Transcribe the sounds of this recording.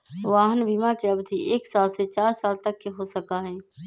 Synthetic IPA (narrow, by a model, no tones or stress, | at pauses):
ʋaːɦənbiːmakeɐbd̪ʱiʔeːksaːlset͡ʃaːɾsaːlt̪ɐkːeɦosəkaɦɛː